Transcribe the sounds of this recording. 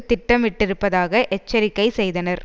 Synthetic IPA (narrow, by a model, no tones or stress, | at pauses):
t̪ːɪʈːɐmɪʈːɪɾɯpːɐðaːɣɐʔɛt͡ʃːɐɾɪkːɐɪsɛjðɐnɐɾ